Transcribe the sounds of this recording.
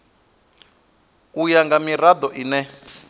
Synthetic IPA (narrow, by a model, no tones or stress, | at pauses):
ujaŋɡamirad̪ɔʔinɛ